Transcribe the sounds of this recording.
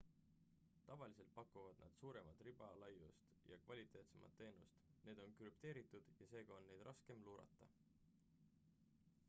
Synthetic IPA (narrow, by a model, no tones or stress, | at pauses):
t̪ɑvɑlise̞lt̪̚pɑkːˑuvɑd̪̥nɑ̰d̪̥suːɾe̞mɑt̪ːˑrib̥ɑlɑjːust̪jɑ̰kvɑlʲit̪ˑe̞ːt̪semɑ̰t̪ːe̞ːnṵst̪ne̞ːd̪o̞nkɾypt̪e̞ːɾit̪ːˑud̪̥jɑse̞ːɡ̥ɑo̞nːe̞jd̪rʔɑske̞mluːɾɑ̰t̪ːˑɑ